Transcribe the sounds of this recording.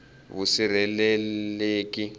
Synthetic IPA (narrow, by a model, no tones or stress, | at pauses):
βusiɾɛlɛeːki